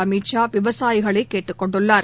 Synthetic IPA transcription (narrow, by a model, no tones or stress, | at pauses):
ɐmiːʈt͡ʃaːʋɪʋɐsaːjɪɣɐɭɐɪkːeːʈːɯkːɔɳɖɯɭːaːɾ